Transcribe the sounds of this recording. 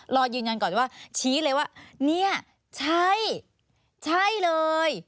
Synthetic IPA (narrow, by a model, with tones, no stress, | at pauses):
ɾɔː˧jɯː˧nja˧nkɔː˨˩˨waː˥˩t͡ɕʰiː˦˥lɤː˧jwaː˥˩ni˦˥˩ɐ | t͡ɕʰa˥˩j | t͡ɕʰa˥˩jlɤː˧j